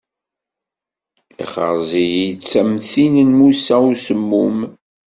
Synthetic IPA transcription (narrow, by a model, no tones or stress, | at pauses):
ḭχə̰ɾzijit͡sːæmθinənmusæusəmːum